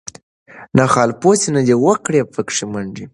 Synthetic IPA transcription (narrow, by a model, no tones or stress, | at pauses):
naxɑlposinad̪ewəkɽepəkʂimaɳd͡ʒi